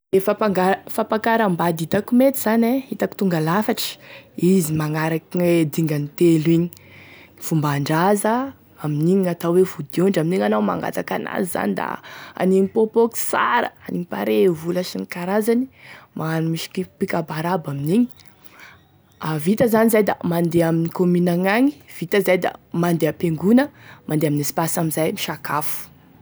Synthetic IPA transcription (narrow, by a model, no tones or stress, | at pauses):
efapaŋɡafapakaɾambad̪it̪akumet̪iz̥anehit̪aki̥t̪uŋɡalafaʈ͡ʂə̥izimaŋaɾakied̪iŋɡanit̪eliɲi̥ | fumbaɳɖ͡ʐazə | aminiɲiat̪awwevud̪iuɳɖ͡ʐaminiɲanawma̰ŋɡa̰t̪akana̰ziza̰nid̪a̰a̰niɲipopoki̥sa̰ɾə̰aniŋipaɾevulaʃinikaɾazanimʔaanumiʃi̥kipikabaɾabaminiɲi̥ | avit̪əzanizajd̪a̰mand̪eaminikominaŋaŋi̥v̥it̪əzajd̪a̰mand̪eapeŋɡunəmʔand̪eaminisi̥pasaminzajmiʃakafu̥